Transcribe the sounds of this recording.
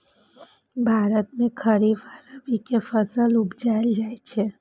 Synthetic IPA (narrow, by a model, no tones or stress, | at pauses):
bʱaɾət̪mẽkʰəɾiʋaɾəʋikefəsəlʊpd͡ʒaeld͡ʒajt͡ʃʰe